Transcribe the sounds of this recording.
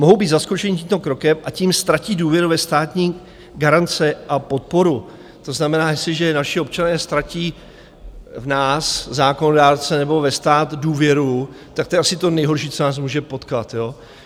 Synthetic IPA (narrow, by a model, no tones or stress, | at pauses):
moɦowbiːd̪zaskot͡ʃɛɲɪciːmt̪o̞kɾo̞kɛmʔaciːmst̪ɾaciːduːvjɛɾuvɛst̪aːt̪ɲiː | ɡaɾant͡sɛʔapo̞t̪̚po̞ɾu | t̪o̞znamɛnaːjɛst̪lɪʒɛnaʃɪo̞p̚t͡ʃanɛːst̪ɾaciː | vnaːszaːko̞nodaːɾt͡sɛnɛbo̞vɛst̪aːt̪duːvjɛɾu | t̪ak̚t̪o̞jɛʔasɪt̪o̞nɛjɦoɾʃiːt͡sonaːs̬muːʒɛpo̞t̪kat̪joː